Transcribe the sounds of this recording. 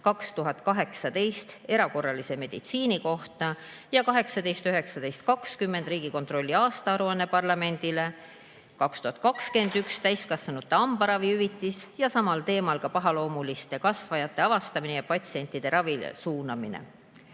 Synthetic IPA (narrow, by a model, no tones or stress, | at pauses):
kɑkst̪uɦɑt̪̚kɑɦe̞ksɑd̪e̞jst̪e̞ɾɑko̞rːɑlise̞me̞d̪̥ḭt̪siːniko̞ht̪ɑjɑkɑɦe̞ksɑd̪e̞jst̪yɦe̞ksɑd̪̥e̞jst̪̚kɑkskymːe̞nd̪̥riːɡ̥iko̞nt̪ro̞lʲːiɑːst̪ɑɑɾuɑnːe̞pɑrlɑme̞nʲd̪̥ile̞ | kɑkst̪uhɑt̪̚kɑkske̞nd̪ykst̪æjskɑsvɑnut̪ːˑeɑmb̥ɑɾɑviyvit̪ːˑisjɑsɑmɑlt̪e̞ːmɑlkɑpɑɦɑlo̞ːmulist̪ekɑsvɑjɑt̪ːe̞ɑvɑst̪ɑminejɑpɑt̪ʲsie̞nʲt̪id̪̥e̞ɾɑvisuːnɑmḭnḛ